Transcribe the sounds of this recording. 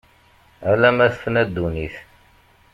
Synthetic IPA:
ælæmæθfnæd̪ːuniθ

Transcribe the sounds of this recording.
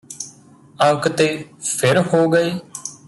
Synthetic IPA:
ə̃ŋkt̪eːpʰɪɾɦoːɡəeː

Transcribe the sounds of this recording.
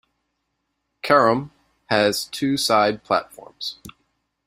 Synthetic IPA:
kʰɛɹə̃m | ɨz̥tʰʉsaɪd̚pʰl̥æ̰tfɔ̰ɹmz̥

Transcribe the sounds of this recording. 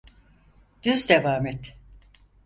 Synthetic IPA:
d̪̥yzd̪evaːmɛt̪

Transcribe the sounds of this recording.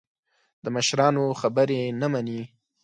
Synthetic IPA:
d̪̥əməʃɾɑnoxabəɾenamani

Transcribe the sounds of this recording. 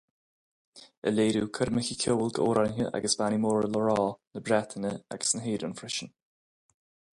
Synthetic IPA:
ə̰leːɾuːkʰəɾməçəkʰoːəlɡəoːɾanɦəʔa̰ɡəsb̥animoːɹələɹɔːnəbɾɛt̪ʰənəa̰ɡ̥ə̥snəɦeːdʊnfɾɪʃən

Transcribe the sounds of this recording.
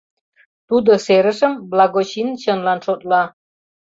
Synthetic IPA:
t̪ud̪ŏseɾə̆ʃə̆mblɑɡot͡ɕinɕə̆nlɑnʃot̪̚lɑ

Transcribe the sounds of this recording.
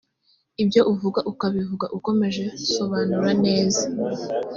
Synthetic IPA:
ibjo̞ʔuvuɡaʔukaβivuɡaʔuko̞me̞ʒe̞so̞βaːnuɾane̞ːza

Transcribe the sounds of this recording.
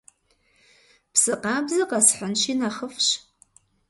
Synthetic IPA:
pʰsɨqʼabzɨqʼasħʷanʃinaχəfʃ

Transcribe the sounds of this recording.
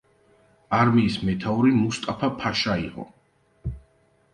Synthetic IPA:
aɾmiːsmɛt̪ʰauɾimust̪ʼapʰapʰaʃaḭqʼɔ̰

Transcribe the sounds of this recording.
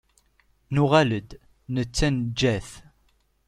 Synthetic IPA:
nuʁæləd̪ | nət͡sːænd͡ʒːæθ

